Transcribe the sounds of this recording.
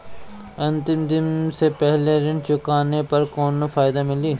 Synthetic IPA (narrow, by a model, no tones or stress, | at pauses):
ɐ̃nt̪ɪmd̪ɪnsepɛɦleɾɪnt͡ʃʊkaːnepɐɾkoːnfaːɪd̪amɪliː